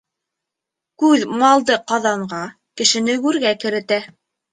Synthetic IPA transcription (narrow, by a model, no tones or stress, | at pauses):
kʉðmɑlˠd̪ɤqɑðɑɴɢɑ | kɘ̆ʃɘ̆nɘɡʉɾɡækɘ̆ɾɘ̆t̪æ